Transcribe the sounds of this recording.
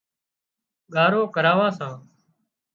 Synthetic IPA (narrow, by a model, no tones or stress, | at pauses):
ɠaːɾoːkəɾaːʋãːsãː